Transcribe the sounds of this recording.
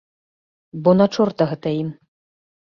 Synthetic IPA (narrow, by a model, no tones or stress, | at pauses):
bɔnat͡ʂɔrt̪ɐɣɛt̪ɐim